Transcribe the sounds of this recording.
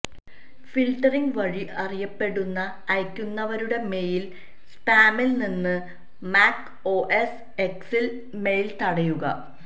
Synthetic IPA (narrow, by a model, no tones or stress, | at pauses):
filʈːɐriŋɡʋɐɻiʔɐrijɐpːe̞ɽunːɐːjkʲːunːɐʋɐɾuɽe̞me̞jil | spaːmilninːɨ | maːk | o̞ːʔes | e̞ksil | me̞jilt̪ɐɽɐjuɣɐ̰